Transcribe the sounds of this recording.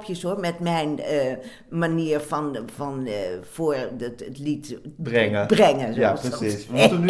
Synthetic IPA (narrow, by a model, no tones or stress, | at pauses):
pʰjəsomɛtmɛjnə | maniəɹfɔnfɔnfoːɹtətlitbrɛŋəbrɛŋəzjapəsistən